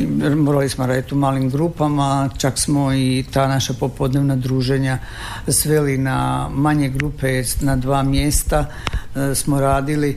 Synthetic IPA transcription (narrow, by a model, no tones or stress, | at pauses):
mo̞ɾalismoɾaːd̪it̪umaːlimɡɾuːpamat͡ʃaksmoit̪aːnaʃapo̞po̞d̪ne̞ʋnad̪ɾuːʒe̞ɲa | sʋelinamaɲe̞ɡɾupe̞nad̪ʋaːmjeːst̪a | smo̞ɾaːd̪ili